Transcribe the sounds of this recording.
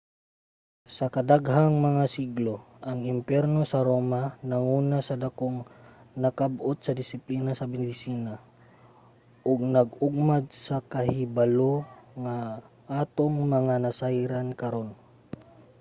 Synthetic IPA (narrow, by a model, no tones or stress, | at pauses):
sɐkɐd̪aɡɦaŋmɐŋasiɡlo̞ | ʔɐŋɪmpjɛɾno̞sɐɾoːmanɐŋuːnasɐd̪akoŋnɐkabot̪̚sɐd̪ɪsɪpliːnasɐmɛd̪ɪsiːna | ʔʊɡ̚nɐɡ̚ʊɡ̚mad̪̚sɐkɐhɪbaloŋa | ʔat̪oŋmɐŋanɐsajɾankɐɾo̞n